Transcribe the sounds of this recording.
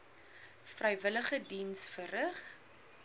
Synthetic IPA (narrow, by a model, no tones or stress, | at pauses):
frɛjvələχədinsfərəχ